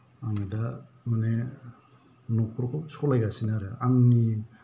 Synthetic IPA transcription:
aŋada | mane | nukʰɔɾkʰɔsɔlajɡasinaɾɯaŋni

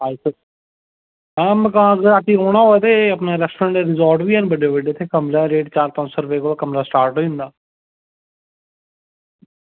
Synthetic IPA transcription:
aːsə | ãmkãːɡəɾaːkiɾoːɽ̃aːɦod̪eːəpnaːɾɛsʈɾãːɳʈeɾɪzɔːɾʈʋiːɛ̃ːnbəɖebəɖeːt̪ʰeːkəmɾaːɾeːɖt͡ʃaːɾt̪ɔ̃ːnsoːɾʊpeːkoːd̪aːkəmɾaːsʈaːɾʈɦoʊ̃nd̪aː

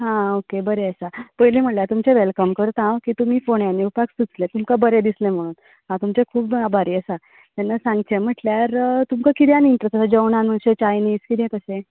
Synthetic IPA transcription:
ɦãokebəɾeəsapəjlim̤əʈljat̪umt͡ɕeʋelkəmkəɾt̪ɦãwkiːt̪um̤iːfoɳjaniupaksut͡slet̪umkabəɾed̪islẽm̤əɽ̃uːn | ɦãt̪umt͡ɕekʰuːbabʱaɾiːəsa | t̪janːasãŋɡt͡ɕem̤əʈljaɾt̪umkakit̪janiɳʈɾesʈasad͡ʑəwɳanm̤əɳɕet͡ɕajniːskit̪jẽkəsẽ

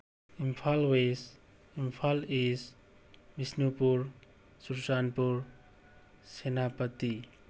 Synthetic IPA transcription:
impʰalwes | impʰalis | bisnupuɾ | suɾsanpuɾ | senapət̪i

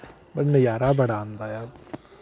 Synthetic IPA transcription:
bɐɾnɐjaːɾabɐɽãːnd̪ajaː

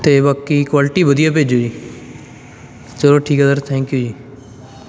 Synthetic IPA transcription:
t̪eːbaːkikwaːlɪʈiːʋəd̪ijaːp̬eːd͡ʒoːiː | t͡ʃəloːʈʰiːkəd̪əɾt̪ʰɛ̃ːŋkjuːd͡ʒiː

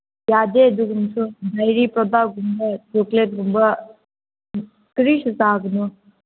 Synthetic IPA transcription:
jaːd̪eːd̪uɡunsud̪ɐjɾiːpɾɔd̪aːɡumbɐtoklet̪umba | kɾiːʃsaːɡnu

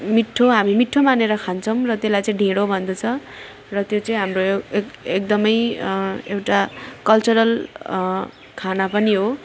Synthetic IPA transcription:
miʈʰːoɦamimiʈʰːomaneɾʌkʰant͡sʰʌw̃rʌt̪elajt͡sʌĩɖʱẽɽobʱʌnd̪ʌt͡sʰʌ | rʌt̪jot͡sʌĩɦamroek̚d̪ʌmʌj | ewʈakʌlt͡suɾʌl | kʰanapʌniɦo

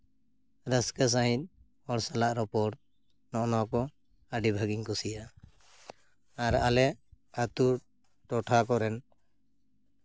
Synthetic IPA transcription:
ɾəskas̬aɦĩt̪̚ˀ | ɔɽsalaʔɾɔpɔɽ | nɔʔnɔkɔ | aɖibʱaɡiŋkusija | aɾalɛ | at̪uɾ | ʈɔʈʰakɔɾɛn

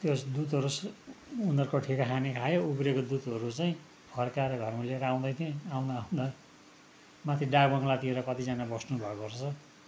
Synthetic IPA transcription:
t̪josd̪ut̪ɦʌɾusunʌrkoʈʰikakʰanikʰajoubɾekod̪ut̪ɦʌɾut͡saĩ | pʰʌrkaɾʌɡʱʌrmuleɾaw̃d̪ʌjt̪ʰĩaw̃d̪aaũd̪ʌ | mat̪ʰiɖakbʌŋlat̪ieɾʌkʌt̪id͡zanabʌsnubʱʌekort͡sʰʌ

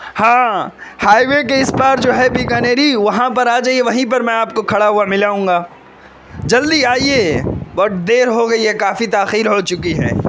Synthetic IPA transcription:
hãː | haːiʋek̬eɪsbaːɾd͡ʒoːɦɛbiːkaːneːɾiʋɐɦãpɐɾaːd͡ʒaːieʋɐɦĩp̬ɐɾmɛ̃aːpkokʰɐɽaɦuamɪlaːũːŋɡaː | d͡ʒɐld̪iaːieːbɔʈd̪eːɾɦoɡɐiɦɛkaːfit̪aːxiːɾɦot͡ʃʊkiɦɛ̰ː

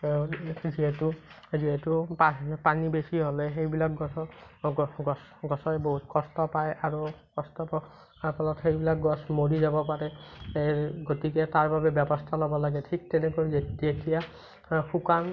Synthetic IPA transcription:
ziɦetu | ziɦetupapanibesiɦolexejbilak̚ɡɔsɔɡɔɡɔsɡɔsɔeboɦut̪kɔstɔpajʔaɹukɔstɔpa | apalɔtxejbilak̚ɡɔsmoɾizabɔpaɾɛ | ɡotiketaɹbabɛbjɔbɔst̪ʰalɔbɔlaɡetʰik̚tenekozetijekija | xukan

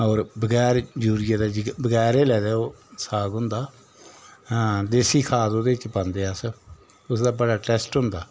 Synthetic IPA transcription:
ɔːɾbəɡɛːɾd͡ʒuːɾɪjaːd̪aːd͡ʒɪbəɡɛːɾeːlɛːd̪aːoːsaːɡʊnd̪aː | d̪eːsiːkʰaːt̪oːd̪eːɪt͡ʃpãnd̪eːaːsə | ʊsd̪aːbəɽaːʈɛːsʈɦʊnd̪aː

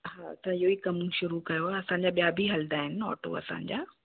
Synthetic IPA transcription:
ɦaːt̪ɐãɪɦoikɐmũʃʊɾukɐjoaɐsãɲd͡ʑaɓijabʱiɦɐld̪aːɦɪnɪ̆ɔ̰ːʈo̰ɐ̰sã̰ːɲ̆d͡ʑa̰ː

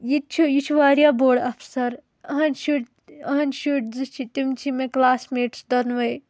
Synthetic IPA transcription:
jit̪t͡ʃʰujit͡ʃʰuʋaːɾijaboːɖɐpʰsɐɾ | ɐɦɐnʃuʈ | ɐɦɐnʃuʈ̚zɨt͡ʃʰit̪imt͡ʃʰimeklaːsmeːʈsd̪ɐnʋɐj

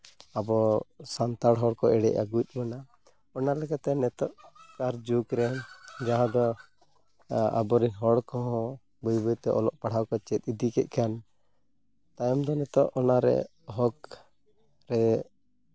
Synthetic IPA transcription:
abɔsant̪aɽɦɔɽkɔʔɛɽɛ̰ʔa̰ɡut̪̚ˀbɔna | ɔnalɛkat̪ɛnɛt̪ɔʔkaɾd͡ʒukɾɛd͡ʒaɦãd̪ɔ | a̰bɔɾinɦɔɽkɔɦɔ̃ | bɔjbɔjt̪ɛʔɔlɔʔpaɽ̤ʱawkɔt͡ʃɛt̪̚id̪ikɛʔ̪̚kʰan | t̪ajɔmd̪ɔnɛt̪ɔʔɔnaɾɛ̰ | ɦɔk | ɾɛ

